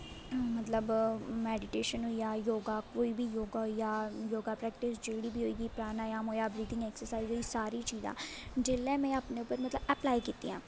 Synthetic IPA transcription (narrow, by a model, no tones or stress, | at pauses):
mət̪ləbmɛːɖɪʈeːʃənɦoːiːaːjoːɡaːkoːiːbiːjoːɡaːɦoiːaːjoːɡaːpɾɛːkʈɪsd͡ʒeːɽiːbʱiːɦoiːɡiːpɾaːnaːjaːmoːjaːbɾiːd̪ɪ̃ŋɡɛːksəɾsaːizɦoːiːsaːɾiːt͡ʃiːzã̰ːd͡ʒɪlɛ̃ːmɛ̃ːaːpneːʊpːəɾmət̪ləbɛplaːikiːt̪iːã̰ː